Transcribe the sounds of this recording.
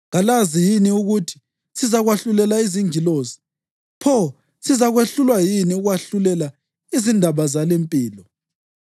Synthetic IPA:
ɣalazijiniuɣutʰi̥ | sizaɣwaɬulɛlaiziŋiloːzi̥ | pʰɔ | sizaɣweɬulwajiniuɣwaɬulɛla | izindʱaβazalempʼiːlɔ

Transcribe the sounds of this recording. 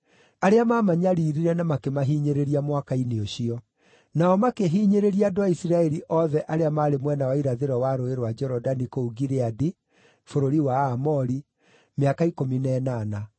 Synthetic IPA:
aɾeamaːmaɲaɾiːɾiɾɛnamakemaɦiːɲeɾeɾiamwakaineoɕiɔ | naɔmakeɦiːɲeɾeɾiadoaisiɾaɛɾiʔɔðɛʔaɾeamaːɾemwɛnawaiɾaðeɾɔwaɾoeɾwad͡ʒɛɾɔdanikouɣiɾeadi | foɾoɾiwaːmɔɾi | meakaikominɛnaːna

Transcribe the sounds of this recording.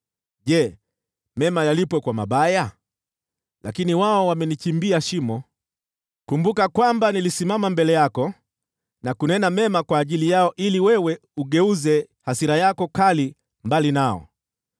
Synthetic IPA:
ʄɛ | mɛmajalipwɛkwama̰ɓaja | lakiniwaɔwamɛnit͡ʃimbiaʃimɔ | kumbukakwambanilisimamambɛlɛjakɔ | nakunɛnamɛmakwaːʄilijaɔʔiliwɛwɛ | uɠɛuzɛ | hasiɾajakɔkali | mbalinaɔ̰

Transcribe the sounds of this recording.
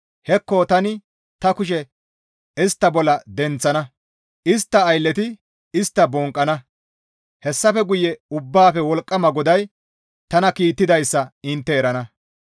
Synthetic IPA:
hɛkːot̪ɐnɪ | t̪ɐkʊʃ̬ɛ | ɪst̪ːɐbɔlːɐd̪ɛnt͡sːɐnɐ | ɪst̪ːɐːjlːɛt̪ɪ | ɪst̪ːɐbɔŋkʼːɐnɐ | hɛsːɐfɛɡʊjːɛʊbːaːfɛwɔlkʼːɐmɐɡɔd̪ɐj | t̪ɐnɐkiːt̪ːɪd̪ɐjsːɐɪnt̪ːɛːɾɐnɐ

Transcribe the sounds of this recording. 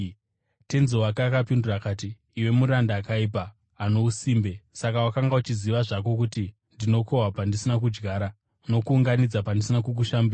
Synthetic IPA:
tenzewakaːkapindurakaːtiː | we̞muɾandaːkaip̬aː | no̞usiːmbe̞sakawakaŋɡaut͡ʃiziʋaʐak̬o̞k̬uti | ndino̞ko̞wapandisinak̬ud͡ʒɡaːɾa | no̞kuːŋɡanid͡zapandisinakuk̬uʃambira

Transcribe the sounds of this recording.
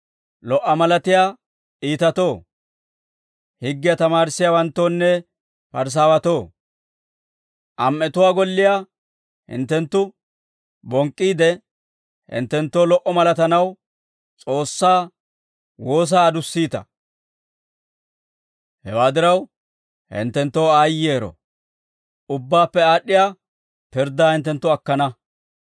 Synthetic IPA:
lɔʔːɐmɐlɐt̪ɪjaː | ʔiːt̪ɐt̪o̞ː | hɪɡːɪjat̪ɐmaːɾɪsːɪjaːwɐnt̪ːoːnːɛ | pɐɾs̬aːwɐt̪o̞ː | ʔɐmʔɛt̪ʊwaːɡɔlːɪjaː | hɪ̰nt̪ːɛnt̪ːʊ | bɔŋkʼːiːd̪ɛ | hɪ̰nt̪ːɛnt̪ːoːlɔʔɔmɐlɐt̪ɐnɐw | t͡sʼo̞ːsːaː | wo̞ːs̬aːd̪ʊsːiːt̪ɐ̰ | hɛwaːd̪ɪɾɐw | hɪ̰nt̪ːɛnt̪ːo̞ːaːjːeːɾɔ̰ | ʊbːaːpːɛaːɗːɪjaː | pɪɾd̪aːhɪnt̪ːɛnt̪ːʊɐkːɐnɐ

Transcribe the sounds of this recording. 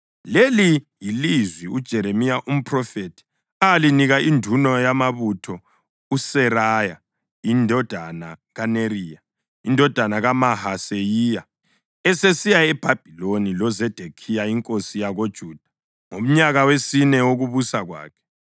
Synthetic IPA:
lelijilizwiud̥ʒ̥ʱɛɾemijaʔum̩pʰʼrɔfetʰi̥ | aliniɣaindʱunɔjamaβutʰɔ | usɛɾaja̰ | indʱɔd̥ʱana̰ɣaneriːja | indʱɔd̥ʱanaɣamahasejija | ɛsesijaɛb̥ʱab̥ʱilonilɔzɛd̥ʱekʰijaiŋkʼosijaɣod̥ʒ̥ʱuːd̥ʱḁ | ŋom̩ɲaɣawesinɛwoɣuβusaɣwa̰ːkʰɛ̥

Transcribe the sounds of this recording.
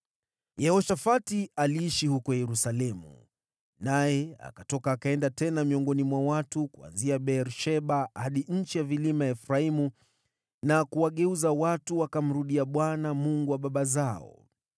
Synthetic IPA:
jɛhɔʃafatialiiʃihukɔjɛɾusalɛmṵ | najɛa̰katɔkaːkaɛndatɛnamiɔŋɡɔnimwawatukua̰nziaɓɛɾʃɛɓahaɗiɲ̩t͡ʃijavilimaɛfɾaimu | nakuwaɠɛuzawatuwakam̩ɾuɗiaɓwanamuŋɡuwaɓaɓazaɔ̰

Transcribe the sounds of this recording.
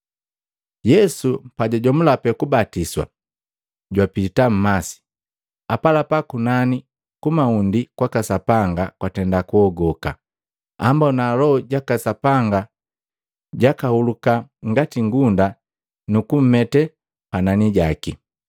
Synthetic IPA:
jɛsupaɟaɟɔm̩lapɛkubatiswa̰ | ɟwapitam̩masi̥ | apalapakunani | kumaundikwakasapaŋɡakwatɛndakuɔɡɔka̰ | ambɔnaːlɔɔɟakasapaŋɡa | ɟakahulukaŋɡatiŋɡunda | nukum̩mɛtɛ | pananiɟaki

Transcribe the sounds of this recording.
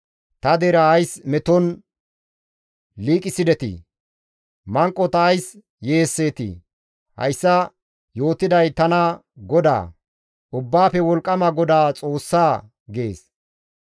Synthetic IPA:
t̪ɐd̪eɾɐɐjsmɛt̪ɔn | liːkʼɪsɪd̪ɛt̪ɪ̰ | mɐŋkʼːɔt̪ɐːjs | je̞ːsːe̞ːt̪ḭ | hɐ̰jsːɐ | jo̞ːt̪ɪd̪ɐjt̪ɐnɐ | ɡɔd̪a̰ː | ʔʊbːaːpɛwɔlkʼːɐmɐɡɔd̪aːt͡sʼo̞ːsːaː | ɡe̞ːs

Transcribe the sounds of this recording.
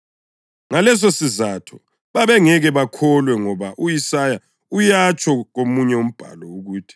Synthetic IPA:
ŋalɛs̬osizatʰɔ̥ | βaβɛŋɛɣɛβakʰɔlwɛŋɔβaʔujisaja | ujat͡ʃʰʼɔɣomuɲɛum̩b̥ʱa̰lɔuɣuːtʰi̥

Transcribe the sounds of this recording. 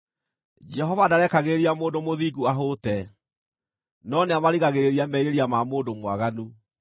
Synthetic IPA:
d͡ʒɛɦɔvadaɾɛkaɣeeɾiamoːndomoðiːɡuaɦoːtɛ | nɔneamaɾiɣaɣeɾeɾiamɛiɾeɾiamamoːndomwaɣanu

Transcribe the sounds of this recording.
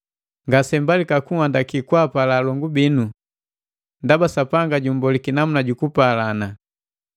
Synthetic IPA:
ŋɡasɛmbalikakuŋandakikwapalalɔŋɡubinu | ndabasapaŋɡaɟumbɔlikinamunaɟukupalana

